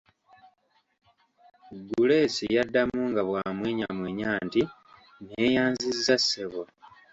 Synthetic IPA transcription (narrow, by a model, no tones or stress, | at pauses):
ɡule̞sḭjadːamuŋɡaβwaːmweːɲamweːɲaːnti | neːjaːnzizːaseβo